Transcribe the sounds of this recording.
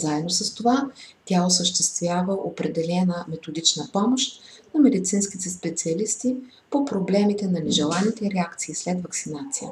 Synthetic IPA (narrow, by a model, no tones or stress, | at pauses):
zaɛd̪nosəst̪ovat̪ʲaosəʃt̪ɛst̪vʲjavəʔopɾɛd̪ɛlɛnəmɛt̪od̪it͡ʃnəpɔmoʃt̪nɐmɛd̪it̪sinsk̟it̪ɛspɛt̪siɐlist̪i | popɾoblɛmit̪ɛnɐnɛʒɛlˠanit̪ɛɾɛakt̪siːslɛt̪vɐksinat̪sijə̰